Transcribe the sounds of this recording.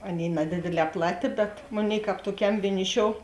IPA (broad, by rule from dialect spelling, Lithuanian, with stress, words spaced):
ˈɑːˌnʲeːɪ nɐˈdʲeːdʲeːˌlʲɛː ˈplˠɑːˌtʲeː bʲɛt ˈmoːˌnʲeːɪ ˈkɑːp tuɔˈkʲɛm ʋʲiɛˈnʲɪˌʃʲoːʊ